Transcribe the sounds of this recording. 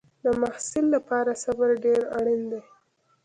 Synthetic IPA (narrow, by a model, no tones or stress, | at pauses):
d̪əmahsɪlːapɑɾasabaɾɖeɾa̰ɽind̪aj